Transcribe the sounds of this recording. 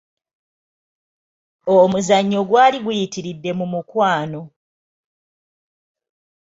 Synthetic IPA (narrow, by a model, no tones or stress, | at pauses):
omuzaɲːo̞ɡwaːliɡujitiɾidːe̞mumukwaːno̞